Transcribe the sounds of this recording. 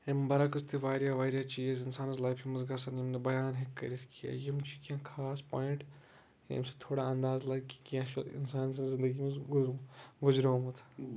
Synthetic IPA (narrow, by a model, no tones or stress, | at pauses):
embɐɾakɨst̪ʰiʋaːɾjaʋaːɾjat͡ʃiːezɪnsaːnzlajfimɐzɡɐsɐɾnemnebɐjaːnɦekːɐ̰ɾiskʰija̰jemut͡ʃʰi̥kʲjãːkʰaːspoːɪ̃ɳʈ | ḛmset̪ʰoːɽaɐ̃nd̪aːzlɐɡki̥kãːʃɪ̰nsaːns̬ɐzɪ̃nd̪ɐɡimɐzɡɡʊzɾamɐt̪ʰː